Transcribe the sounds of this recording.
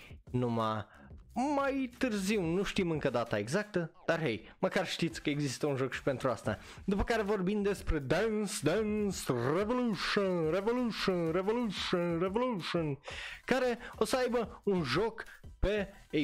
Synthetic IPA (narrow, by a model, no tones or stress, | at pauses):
nɐ̃ma | majt̪ɨɾziwnũʃt̪imɐ̃ŋkɐd̪at̪ɐeɡzak̚t̪ɐd̪̥aɾɦej | mɐkaɾʃt̪i̥keɡzist̪ɐũʒokʃpẽnt̪ɾast̪ɐ | d̪ɨpɐkaɾvoɾbĩnd̪espɾɨd̪ɐ̃nsd̪ɐnsrevoluʃõrevoluʃõrevoluʃõrevoluʃonkaɾɛosajbɐũʒokpɛ